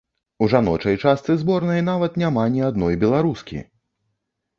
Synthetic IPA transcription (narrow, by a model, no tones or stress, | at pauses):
uʐanɔt͡ʂɐjt͡ʂast̪sɨzbɔrnɐjnavɐt̪nʲamanʲiad̪nɔjbʲɛlˠaɾuskʲḭ